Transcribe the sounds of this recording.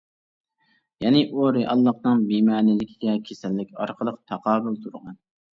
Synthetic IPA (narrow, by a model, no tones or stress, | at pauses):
jɛnɪʔoɾɪʔɑlˠːɑχnɨŋbimɑːnɪlɪkʲʰiɡʲɛkʲʰesɛlːɪkʲɑɾqʰəlˠəqt̪ʰɑqʰɑːbʊlˠt̪ʰuɾʁɑn